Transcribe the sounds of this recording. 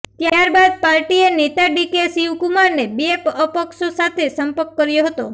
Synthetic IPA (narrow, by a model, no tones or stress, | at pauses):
t̪jaɾbad̪̚paɾʈienet̪aɖikesiwkumaɾnebiepəpəkʃosat̪ʰesəmpəɾkːəɾjoɦət̪o